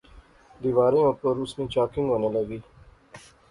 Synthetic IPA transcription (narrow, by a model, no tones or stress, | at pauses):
d̪iʋaːɾẽːʊpəɾʊsnĩːt͡ʃaːkɪ̃ŋɡʋoneləɡiː